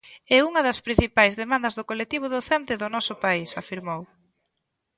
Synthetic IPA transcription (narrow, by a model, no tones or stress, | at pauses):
ɛuŋɐðɐspɾin̟θipajzðemãnd̪ɐzðʊkolek̚t̪iβ̞oðoθɛnt̪eðʊnɔsʊpaisa̰fiɾmow